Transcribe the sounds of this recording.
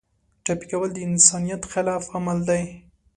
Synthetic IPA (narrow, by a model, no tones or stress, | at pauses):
ʈapi̥kawəld̪əɪnsɑnijat̪xɪlɑfamald̪aj